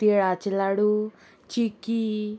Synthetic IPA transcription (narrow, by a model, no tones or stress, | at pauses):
t̪iɽat͡ʃilaɽu | t͡ʃikːi